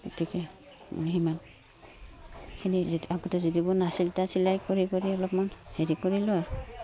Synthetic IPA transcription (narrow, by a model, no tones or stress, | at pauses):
ɡotikɛ | mʔo̰jɦiman | kʰiniaɡɔtɔzidibʊnasiltasilajkoɹikoɹiɔlɔpmanheɹikoɹilɔj